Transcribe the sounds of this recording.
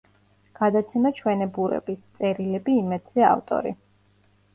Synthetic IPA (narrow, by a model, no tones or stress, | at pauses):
ɡ̥ad̪at̪sʰɛmat͡ʃʰwɛnɛbuɾɛ̰bist̪sʼɛɾilɛbiːmɛd̪z̥ɛa̰ft̪ʼɔ̰ɾḭ